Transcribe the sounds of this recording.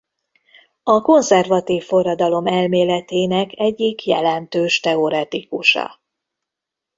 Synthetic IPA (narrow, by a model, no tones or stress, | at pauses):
ɒko̞nzɛrvɒt̪iːfːo̞rːɒd̪ɒlo̞mɛlmeːlɛt̪eːnɛkʰɛɟːikjɛ̰lɛnt̪øːʃt̪ɛo̞ɾɛt̪ikuʃɒ̰